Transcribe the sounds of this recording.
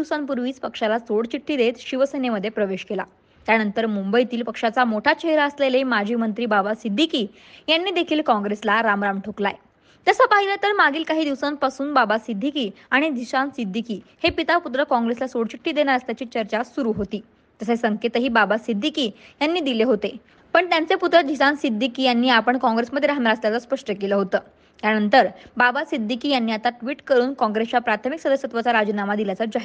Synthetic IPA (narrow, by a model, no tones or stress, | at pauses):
iʋsanpuɾʋiːt͡spəkʂalasoɽt͡ɕiʈːiːd̪et̪ɕiʋəsəneməd̪ʱːjepɾəʋeɕkela̰ | t̪janənt̪əɾmumbəit̪iːlpəkʂat͡samoʈʰat͡ɕeɦɾaəslelemad͡ʑʱiːmənt̪ɾiːbabasid̪ʱːikiː | janːiːd̪ekʰiːlkɔ̃ŋɡɾeslaɾamɾamʈʰokla̰j | t̪əsapaɦilat̪əɾmaɡiːlkaɦiːd̪iʋsanpasuːnbabasid̪ʱikiːaɽ̃id̪iɕansid̪ʱːikiːhepit̪aput̪ɾəkɔ̃ŋɡɾeslasoɽt͡ɕiʈʰːiːd̪eɳ̃aɾəsjat͡ɕiːt͡ɕəɾt͡ɕasuɾuɦot̪iː | t̪əsaisəŋket̪əɦiːbabasid̪ʱikiːjanːiːd̪ileɦot̪e | pəɳt̪jant͡seput̪ɾəd̪ʱisãnsid̪ʱːikiːjanːiːapəɳkɔ̃ŋɡɾesməd̪ʱjeɾaɦmaɾaəsljat͡saspəʂʈəkeləːɦot̪əː | t̪janənt̪əɾbabasid̪ʱːikiːjanːiːat̪aʈʋiːʈkəɾuːnkɔ̃ŋɡɾeslapɾat̪ʰəmiksəd̪əsət̪ʋat͡saɾad͡ʑinamad̪iljat͡sad͡ʑaɦ